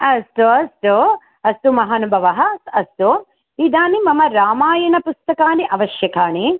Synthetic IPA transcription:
ɐst̪uɐst̪u | ɐst̪umɐɦaːnubʱɐʋɐɦɐsɐst̪u | id̪aːnimɐmɐɾaːmaːjɐnɐpust̪ɐkaːniʔɐʋɐʃjɐkʰaːɳi

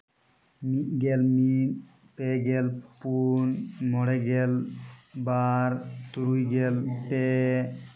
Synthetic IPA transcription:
mit̪̚ɡɛlmit̪̚ | pɛɡɛlpunmɔɽɛɡɛlbaɾt̪uɾujɡɛlpɛ

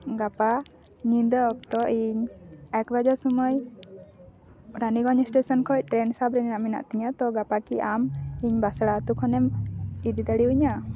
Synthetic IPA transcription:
ɡapa | ɲind̪ɔːk̚t̪ɔʔiɲɛkbad͡ʒasɔmɔj | ɾaniɡɔɲɔsʈesɔnkʰɔc̚ˀʈɾɛnsabɾɛnɛnaʔmina̰ʔt̪iɲat̪ɔɡapakiʔamiɲbasɽat̪ukʰɔnɛmid̪id̪əɽiuɲa

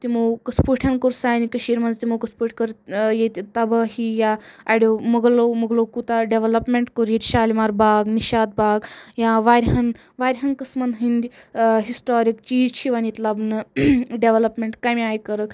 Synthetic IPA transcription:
t̪imokəspuʈʰɐnkoɾsaːjnikɐʃiːɾmɐnzt̪imokɐspuʈʰʲkɐɾjet̪ʲit̪ɐbɐɦijaɐɖomɐɡlomɐɡlokut̪aɖeʋelɐpmeɳʈkoɾjiɾʲʃaːlʲmaɾbaːɡniʃaːd̪̚baːɡjaʋaɾʲɦɐn | ʋaːɾʲɦɐnkəsmɐnɦind̪ʲɦisʈoːɾikt͡ʃiːzt͡ʃʰiʋɐnit̪lɐbnɨɖeʋelɐpmeɳʈkɐmʲiaːjkɐɾək

